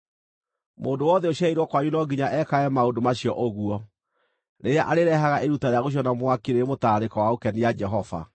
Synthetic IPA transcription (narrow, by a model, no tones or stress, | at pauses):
moːndowɔðɛoɕaiɾɔkwaɲunɔɡiɲaʔɛkaɛmaondomaɕiɔʔoɣuɔ | neɾeaʔaɾeɾɛɦaɣaʔeɾutaɾeaɣoɕ̬iɔnamwakeɾeɾemotaːɾekɔwaokɛnijad͡ʒɛɦɔva̰